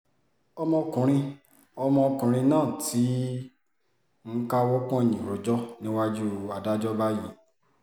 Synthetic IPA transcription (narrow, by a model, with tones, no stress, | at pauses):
ɔ˧mɔ̃˧kũ˨ɾ̃ĩ˧ | ɔ˧mɔ̃˧ɔ˧kũ˨ɾ̃ĩ˧nãː˦˨ti˨˦ | ŋ̩˦ka˦wɔ˦kɔ̃˦˨ɲĩ˨ɾo˨d͡ʒɔ˦nĩ˦wa˦d͡ʒu˦a˨da˦d͡ʒɔ˦ba˦ji˦˨